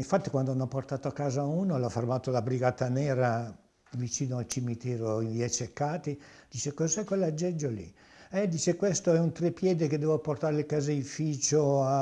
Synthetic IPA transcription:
iɱfat̪ːikwand̪onɔpːort̪aːt̪oakːaːzauːnolɔfermaːt̪olabɾiɡaːt̪ːanɛːɾa | vit͡ʃiːnoalt͡ʃimit̪ɛːɾoiviat͡ʃːekːaːt̪id̪̥iːt͡ʃekozɛkːwelad͡ʒːɛd͡ʒːolḭ | ɛd̪iːt͡ʃekwest̪oɛunt̪ɾepːjɛːd̪iked̪ːɛːvoport̪aːɾelkazeifiːt͡ʃoa

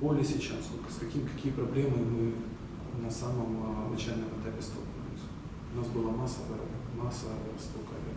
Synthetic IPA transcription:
bolʲɪəsʲɪt͡ɕasːt̪olʲkə̥skɐkʲimʲkɐkʲijəpɾɐblʲemɨmɨ | nɐsaməmɐd̪nɐt͡ɕajlnəmɐt̪avʲɪst̪o̰pɐlʲɪ̰sʊ̥ | ʊnasbɨlˠamasːəvəmasːə | st̪okɐ

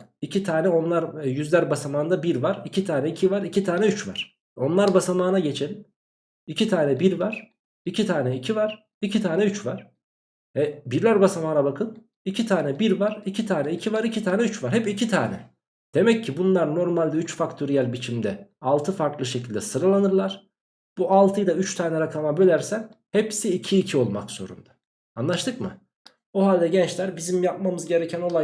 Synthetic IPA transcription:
icʰit̪ʰaːnɛo̞nlˠaɾjyzlʲæɾbasamaːnd̪abiɾvaɾicʰit̪ʰaːnɛicʰivaɾicʰit̪ʰaːnɛyt͡ʃva̰ɾ̥ | o̞nlˠaɾbasamaːnaɟe̞t͡ʃʰelʲin | icʰit̪ʰaːnɛbiɾvaɾ̥ | icʰit̪ʰaːnɛicʰivaɾ̥ | icʰit̪ʰaːnɛyt͡ʃvaɾ̥ | ɛbiɾlʲæɾbasamaːnabakʰɯn | icʰit̪ʰaːnɛbiɾvaɾ̥icʰit̪ʰaːnɛicʰivaɾicʰit̪ʰaːnɛyt͡ʃvaɾ̥hɛpicʰit̪ʰa̰ːnɛ̰ | d̪̥e̞mɛcʰːibunlˠaɾno̞ɾmalʲd̪ɛyt͡ʃfakt̪ʰo̞ɾijælʲbit͡ʃʰimd̪ɛalˠt̪ʰɯfaɾklˠɯʃecʰilʲd̪ɛsɯɾalˠanɯɾlˠaɾ̥ | b̥uʔalˠt̪ʰɯjd̪ayt͡ʃt̪ʰaːnɛɾakʰamabølʲæɾsæhɛpsiːcʰiːcʰio̞lˠma̰kz̥o̞̰ɾṵnd̪̥ḁ | anlˠaʃt̪ʰɯkmɯ̰ | oɦalʲd̪ɛɟɛnt͡ʃlʲæɾbizimjap̚mamɯzɟe̞ɾecʰæno̞lˠa

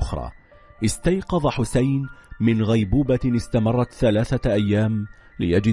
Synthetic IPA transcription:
ʔʊxɾˤɑ̰ː | ʔɪst̪ajqɑðˤɑħʊsajnmɪnɣajbuːbaɪst̪amɑrˤːɑt̪θalaːθaʔajːaːm | lɪjad͡ʒɪ

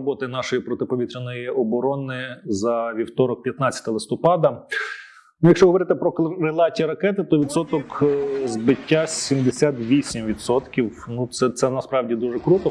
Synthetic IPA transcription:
bɔt̪ɐjnɑʃɔjipɾɔt̪ɪpɔʋʲit̪ɾʲenɔjiʔɔbɔɾɔnɪzɐʋʲiwt̪ɔɾɔk̚pʲjɐt̪nɑt͡sʲjɐt̪ɐlˠɪst̪ɔpɑd̪ɐ | nujɐkʃt͡ʃɔɦɔʋɔɾɪt̪ɪpɾɔɾelˠɑtʲiɐɾɐkɛt̪ɪt̪ɔʋʲid̪sɔt̪ɔkzbɪtʲːasʲimd̪esʲat̪ʋʲisʲimʋʲit̪sɔt̪kʲiwnut̪sɛt̪sɛnɐspɾɑwdʲid̪uʒɛkɾut̪ɔ

